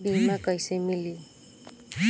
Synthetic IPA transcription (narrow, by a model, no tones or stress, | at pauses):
binmakʌjsejmili